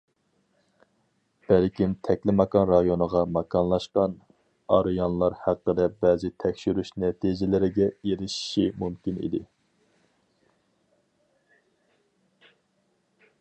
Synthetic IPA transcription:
b̥ælkʲimt̪ʰɛkʲlɪmɑkɑnɾɑjonəʁɑmɑkʰɑnlˠɑʃqɑn | ɑ̰ɾjɑnlˠɑɾhæqːəɾɛbɛːzɪt̪ʰɛkʲʃyɾyʃnɛt̪ʰid͡ʒɪlɪɾɪɡʲɛeɾɪʃi̥ʃimumkʲinḭd̪ɪ

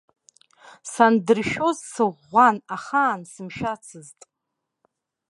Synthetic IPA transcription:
sandɨrʃᶣo̞zsɨʁʷanaχaːnsɨmʃᶣat͡sʰɨztʼ

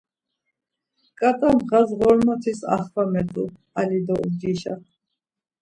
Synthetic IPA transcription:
kʼat̪ʼamʁazʁɔɾmɔt̪ʰisa̰χvamɛt̪ʼṵ | alid̪ɔṵd͡ʒiʃa

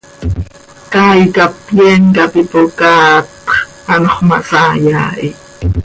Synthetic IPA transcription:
kajkapjɛŋkapipokaːt̪χ | ɑnoχma̰sajaːʔi

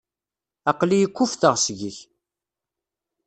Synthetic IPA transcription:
ɑqlijəkʷːufθəʁsʝəç

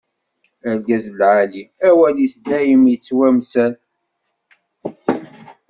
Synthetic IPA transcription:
æɾɡæzlʕaliæwælisd̪æjimjət͡sːwæmsæl

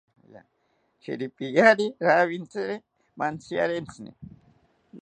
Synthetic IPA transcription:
ja̰ | t͡ʃḛɾipijaɾiɾaβint͡seɾe | mant͡sia̰ɾent͡snḭ

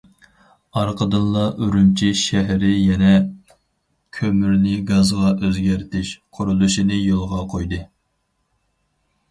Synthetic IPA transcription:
ɑɾqʰəd̪ɨnlˠɑʔyɾymt͡ʃʰiʃɛɦɾɪjɛnɛ | kʲʰømyɾnɪɡɑzʁɑʔøzɡʲæɾt̪ʰɪʃqʰʊɾulˠuʃinɨjolˠʁɑqʰojd̪ɨ

